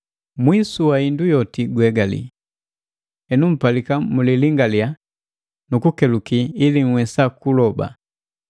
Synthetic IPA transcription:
mwisuwaindujɔtiɡwɛɡalḭ | ɛnum̩palikamuliliŋɡalja | nukukɛlukiːliŋ̩wɛsakulɔba̰

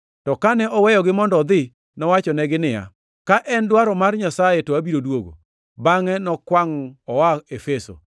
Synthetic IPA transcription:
tɔkanɛʔɔwɛjɔɡɪmɔndɔd̪ɪ | nɔwat͡ʃɔnɛɡɪnɪja̰ | kaʔɛndwaɾɔmarɲasajɛtoabiɾodwoɡo̰ | baŋɛnɔkwaŋɔwaefeso̰

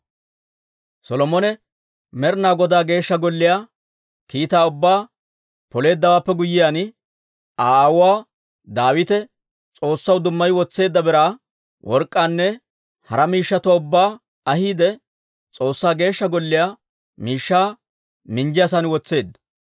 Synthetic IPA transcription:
sɔlɔmɔnɛ | mɛɾnaːɡɔd̪aːɡe̞ːʃːɐɡɔlːɪjaː | kiːt̪aːʊbːaː | pɔle̞ːd̪ːɐwaːpːɛɡʊjːɪjaːnɪ | aːwʊwaː | d̪aːwɪt̪ɛ | t͡sʼo̞ːsːɐwd̪ʊmːɐjwɔt͡sːe̞ːd̪ːɐbɛɾaː | wʔɔɾkʼːaːnːɛ | hɐɾɐmiːʃːɐt̪ʊwaːʊbːaː | ɐhiːd̪ɛ | t͡sʼo̞ːsːaːɡe̞ːʃːɐɡɔlːɪjaː | miːʃːaː | mɪnd͡ʒɪjas̬ɐnwɔt͡sːe̞ːd̪ːɐ̥

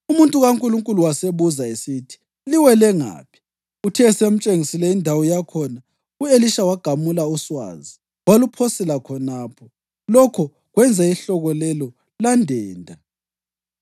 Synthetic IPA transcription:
umuntʼuɣaŋkʼuluŋkʼuluwaseβuzaesitʰi̥ | liwɛlɛŋa̰ːpʰi̥ | utʰɛsem̩t͡ʃʼeŋisilɛindʱawɔjakʰɔna | ueliʃawaɡ̥ʱamulauswa̰ːzi | walupʰosɛlakʰɔnaːpʰɔ | lɔkʰɔ | ɣwɛnd͡zʱaiɬɔɣɔlɛlɔ | landʱɛːndʱa

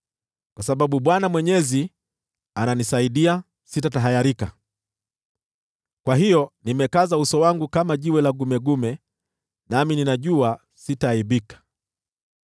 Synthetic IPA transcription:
kwasaɓaɓuɓwanamwɛɲɛzi | ananisaiɗia | sitataɦajaɾika̰ | kwaɦijɔnimɛkazausɔwaŋɡukamaʄiwɛlaɡumɛɡumɛ | namininaʄua | sitaiɓikḁ

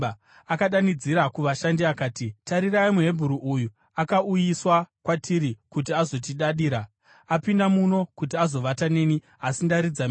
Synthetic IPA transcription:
akaɗanid͡ziɾakuʋaʃandiakaːtitaɾiraimuɦe̞bʱuɾuʔuju | akaujiswakwatiɾikut̬iazo̞t̬iɗaɗiːɾa | apindamuno̞kut̬iazo̞ʋatane̞ːni | asindaɾid͡za

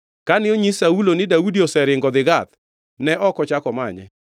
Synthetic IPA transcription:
kanɪoɲisaulonɪdaudiosɛɾɪŋɡɔd̪ɪɡat̪ | nɛʔɔkɔt͡ʃakɔma̰ɲɛ̰

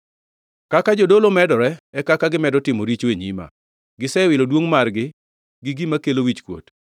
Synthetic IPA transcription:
kakad͡ʒodolomɛdɔɾɛɛkakaɡɪmɛdɔtɪmoɾit͡ʃweɲima̰ | ɡɪsɛwɪlodwoŋmarɡɪ | ɡɪɡimakelowit͡ʃkwo̰t

